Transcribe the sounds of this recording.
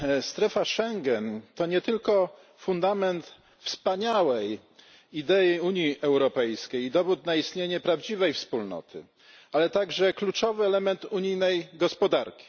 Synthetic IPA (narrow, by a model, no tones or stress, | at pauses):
st̪ɾɛfaʂɛŋɡɛnt̪ɔɲɛt̪ɘlkɔ | fund̪amɛnt̪ | fspaɲawɛj | id̪ɛiuɲjiʔɛwɾɔpɛjskʲejid̪ɔvut̪naist̪ɲeɲɛpɾavd͡ʑivɛjfspulnɔ̰t̪ʰɘ̰ | alɛt̪aɡʐɛklut͡ʂɔvɘɛlɛmɛnt̪uɲijnɛjɡɔspɔd̪aɾkʲi̥